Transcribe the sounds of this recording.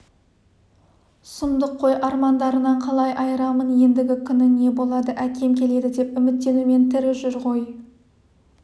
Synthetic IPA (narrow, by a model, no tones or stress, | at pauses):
səmd̪əqʰːo̞jʔɑɾmɑnd̪ɑɾənɑɴqʰɑlˠɑjʔɑjəɾɑmənje̞nd̪ɪɡʲɪkʲʰʏnɪne̞bo̞lˠɑd̪əʔækʲʰe̞mkʲʰe̞le̞d̪ɪd̪e̞pʏmɪt̪ːe̞nume̞nt̪ʰɪɾɪʒʏɾqo̞j